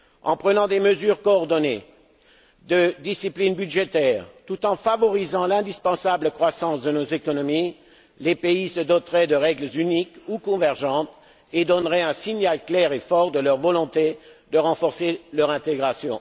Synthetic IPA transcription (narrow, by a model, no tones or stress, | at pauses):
ɑ̃pχənɑ̃d̪eməzyʁkoːʁd̪ɔne | d̪əd̪isiplinbyd̪ʒet̪ɛːʁt̪ut̪ɑ̃favɔʁizɑ̃lɛ̃d̪ispɑ̃sabləkχwasɑ̃sd̪ənozekɔnɔmi | lepeisəd̪ɔt̪ʁɛd̪əʁɛɡləzynikukɔ̃vɛʁʒɑ̃t̪ | ed̪ɔnʁɛɛ̃siɲalklɛʁefɔʁd̪əlœʁvɔlɔ̃t̪ed̪əʁɑ̃fɔʁselœʁɛ̃t̪eɡʁasjɔ̰̃